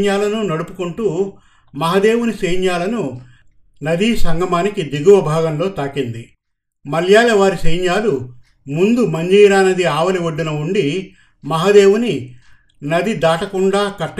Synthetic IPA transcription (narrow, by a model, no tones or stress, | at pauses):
ɲjaːlɐnunɐɽupukuɳʈuː | mɐɦɐd̪e̞ːwuniseːjɲjaːlɐnu | nɐd̪iːsɐŋɡɐmaːnikid̪iɡuʋɐbʱaːɡɐmlo̞ːt̪aːkind̪i | mɐljaːjɐʋaːɾisɐjɲjaːlu | mund̪umɐɲd͡ʒiːɾaːnɐd̪iaːʋɐliʋɐɖːinɐuɳɖi | mɐɦɐd̪e̞ːwuni | nɐd̪id̪aːʈɐkuɳɖaːkɐʈː